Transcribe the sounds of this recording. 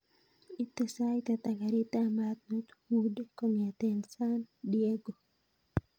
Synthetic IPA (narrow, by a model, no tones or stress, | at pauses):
it̪esajt̪at̪aɡaɾit̪amat̪̚not̪hudkomjat̪ensandieɡo